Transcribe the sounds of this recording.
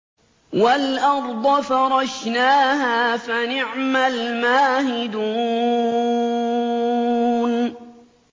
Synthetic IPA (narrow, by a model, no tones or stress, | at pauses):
walʔɑɾˤd̪ˤɑfɑɾˤɑʃnaːɦaːfanɪʕmalmaːhɪd̪uː | n